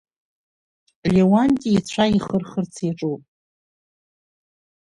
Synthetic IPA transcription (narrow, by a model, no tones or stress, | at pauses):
lewantʲʼiːt͡st͡ɕʷʰaiχərχərt͡sʰiʈ͡ʂʼupʼ